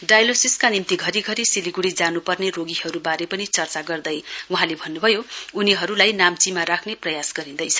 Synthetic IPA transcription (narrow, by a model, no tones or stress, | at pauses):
ɖajlosiskanimt̪iɡʱʌɾiɡʱʌɾisiliɡuɽid͡zanupʌrneroɡiɦʌɾubaɾepʌnit͡sʌrt͡saɡʌrd̪ʌjuɦãlebʱʌnːubʱʌjouniɦʌɾulajnamt͡simaɾakʰneprʌjasɡʌɾĩnd̪ʌjt͡sʰʌ̥